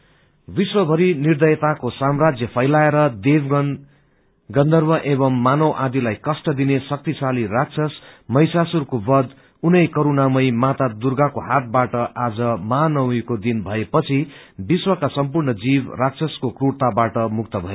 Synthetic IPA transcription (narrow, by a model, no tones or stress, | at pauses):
biswʌbʱʌɾinird̪ʌjt̪akosamrad͡zjʌpʰʌjlaeɾʌd̪eb | ɡʌnd̪ʌrmʌʔeβʌmːanʌwʔad̪ilajkʌsʈʌd̪inesʌk̚t̪isalirak̚t͡sʰʌsmʌjsasurkobʌd̪ | unʌjkʌɾunamʌjmat̪ad̪urɡakoɦat̪̚baʈʌʔad͡zʌmanʌwekod̪inbʱʌepʌt͡sʰi | biswʌkasʌmpurnʌd͡zibrak̚t͡sʰʌskokruɽt̪abaʈʌmuk̚t̪ʌbʱʌe